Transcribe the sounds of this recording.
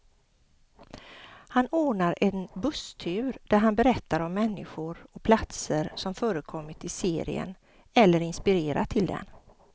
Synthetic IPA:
hanoːɳaɾɛnbɵst̪ʰʉːɾd̪̥æɾɦanbɛɾɛt̪ːaɾɔmːɛnːɪɧʊɾɔk̚pʰlat̪səɾsɔmfœːɾəkʰɔmːɪt̪ɪseːɾɪ̰ə̰n | ɛlːəɾɪnspɪɾeːɾa̰t̪ʰːɪld̪ɛ̰n

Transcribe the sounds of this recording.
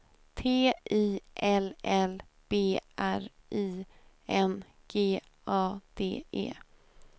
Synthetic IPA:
t̪ʰeːʔiːʔɛlɛl | b̥eːʔæɾʔiː | ʔɛn | ɡ̥eː | ʔɑːd̪̥ḛːʔḛː

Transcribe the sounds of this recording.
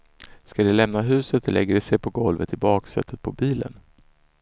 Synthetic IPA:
skad̪ɛlɛmnaɦʉ̟ːsət̪lʔɛɡːəɖɛsɛjpʰɔɡɔlvə̰t̪ʰɪbɑːksɛ̰t̪ʰːət̪̚pʰɔbiːlə̰n

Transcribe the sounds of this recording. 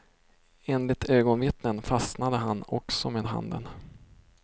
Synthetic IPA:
eːnlɪt̪øːɡɔnvɪt̪nənfasnad̪əɦanɔksɔmeːd̪ɦa̰nd̪ə̰n

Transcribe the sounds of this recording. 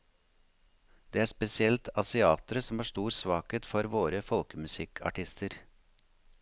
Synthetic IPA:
d̪̥eːæːɾspɛsɪɛlt̪ʰɑsɪɑːt̪ɾəsɔmhɑːʂt̪uːɾsʋɑːkeːt̪fɔɾʋoːɾəfɔlkəmʉsɪkʰɑ̰ʈɪst̪ʰəɾ

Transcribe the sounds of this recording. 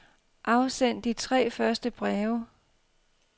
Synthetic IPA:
ʔɑ̈ʊsen̰d̥it͡sʰʁɛ̰ːfɶɐsd̥əb̥ʁɛːʊɐ

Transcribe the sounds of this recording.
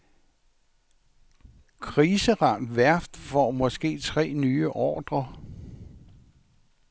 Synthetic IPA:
kʰʁiːsəʁɑ̈nd̥ʋæɐfd̥fɒmɒ̽sɡ̥e̝̰ːt͡sʰʁɛ̰ːnyːəʔɒːd̥ʁɐ

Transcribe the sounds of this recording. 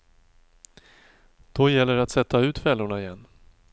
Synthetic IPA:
d̪̥ɔjɛlːəɾat̪sɛt̪ːaʉ̟ːt̪fɛlːʊɳaɪjɛnː

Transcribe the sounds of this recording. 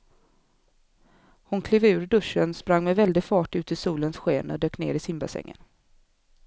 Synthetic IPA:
hʊnkʰliːvʉ̟ːɾɖɵʂːənspɾaŋːmɛvɛld̪ɪɡfɑːʈʉ̟ːt̪ɪsuːlənsɧeːnɔ̰d̪øːknḛːɾɪsɪmbasɛ̰ŋːə̰n

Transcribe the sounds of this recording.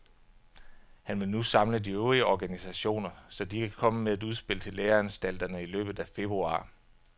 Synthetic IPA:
hænʋe̝nusɑ̈mlədiøʊʁiəɒɡ̥ænisæɕo̝̰ːnɐsɒ̽d̥ikʰækʰɒ̽məmeæd̥uð̞ˠsb̥e̝l̰ət͡sʰe̝lːeːɐænsd̥æl̰d̥ɐnəilø̰ːb̥ð̩ˠæfe̝b̥ʁuɑ̰̈ː

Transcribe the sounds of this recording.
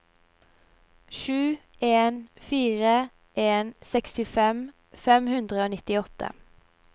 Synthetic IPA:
ʃʉː | ʔeːnfiːʁə | ʔeːnsɛkst̪ɪfɛm | fɛmhʉnd̪ʁəoːnɪt̪ɪɔt̪ə̰

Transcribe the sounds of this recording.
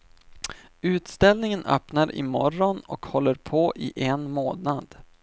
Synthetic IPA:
ʉ̟ːt̪st̪ɛlnɪŋənʔœ̰ːpnaɾʔɪ̰mɔɾɔnɔ̰khɔlːəɾpʰoːʔɪʔɛnmoːnad̪

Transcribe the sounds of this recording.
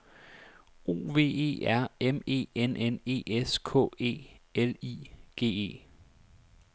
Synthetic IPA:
o̝̰ːʋe̝̰ːe̝̰ːʔæɐ̰eme̝̰ːenʔene̝̰ːeskʰɔ̰̽ːe̝̰ːeliːɡ̥e̝̰ːe̝̰ː

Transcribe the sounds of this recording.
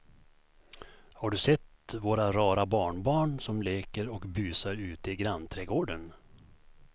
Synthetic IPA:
haɖɵsɛt̪ | voːɾaɾɑːɾabɑːɳbɑːɳsɔmleːkəɾɔkbyːsaɾʉ̟ːt̪əɪɡɾanːt̪ʰɾɛɡoːɖən

